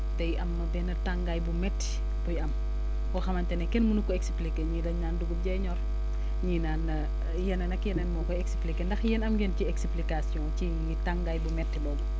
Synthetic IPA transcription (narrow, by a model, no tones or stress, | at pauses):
tɛjʔɐmːɐbɛnɐtaŋɡajbumɛtːi̥ | b̥ujɐm | wɐxɐmɐntɛnɛkɛnmunukɔɛksplikeɲiːdɐɲnaːnduɡuɟɛɲɔr | ɲiːnaːn | jɛnɐnɐkjɛnɛnmɔːkɔɛksplikendɐxjɛnɐmɡɛnciɛksplikasiɔ̃ci | taŋɡajbumɛtːibɔːbɔ